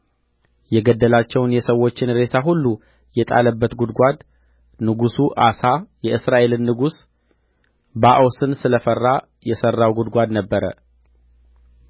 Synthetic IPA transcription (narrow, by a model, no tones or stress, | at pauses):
jɛɡəd̪ːəlat͡ʃːɛwnjɛsəwːo̞t͡ʃːɪnɾe̞sʰaɦulːu | jɛt̪ʼa̰ləbːət̪ɡud̪ɡʷad̪ | nɨɡusuʔasajɛʔɨsɾaʔe̞lɨnːɨɡus | baʔosɨnsɨləfərːa | jɛsərːawɡud̪ɡʷad̪nəbːəɾə̰